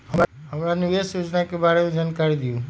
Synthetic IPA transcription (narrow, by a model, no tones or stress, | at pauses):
ɦəɦəmɾaniʋesjod͡ʒnakebaɭeẽd͡ʒankaɾid̪ijũ